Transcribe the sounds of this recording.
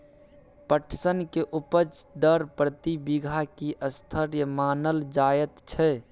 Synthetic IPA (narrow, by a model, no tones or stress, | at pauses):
pəʈʰsənkeʔupəd͡ʒd̪əɾpɾət̪ibiɡʱakiʔəst̪ʰəɾjəmaːnəld͡ʒaːjət̪t͡ʃʰɛ